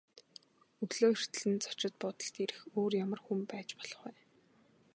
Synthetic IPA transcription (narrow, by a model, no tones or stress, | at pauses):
ɵɣɮoːir̥t̪ɘ̆ɮɘ̆nt͡sɔ̥t͡ɕɪ̆t̪̚pɔt̪ɞ̆ɬt̪iɾɘ̆xoːrjamə̆rxumpæːt͡ɕpɔ̥ɮ̥ɞ̆χwæː